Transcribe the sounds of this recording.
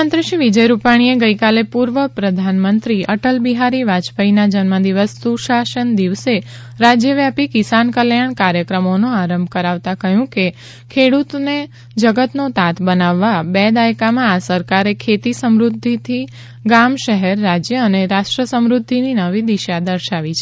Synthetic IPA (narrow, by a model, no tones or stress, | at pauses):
ənt̪ɾəʃiʋid͡ʒəjɾupaɽ̃ieɡəikalepuɾʋəpɾəd̪ʱanmənt̪ɾiəʈəlbiɦaɾiʋat͡ʃbʱəinad͡ʒənməd̪iʋəsːuʃaʃənd̪iʋse | ɾad͡ʒjəʋjapikisankəljaɳ̃kaɾjəkɾəmonõaɾəmbʱkəɾaʋt̪akəɦjũke | kʰeɽut̪ne | d͡ʒəɡət̪not̪at̪ʰbənaʋːabɛd̪ajkamãasəɾkaɾekʰet̪isəmɾud̪ʱːit̪ʰi | ɡamʃəɦɛɾːad͡ʒjəəneɾaʃʈɾəsəmɾud̪ʱːininəʋid̪iʃad̪əɾʃaʋit͡ʃʰe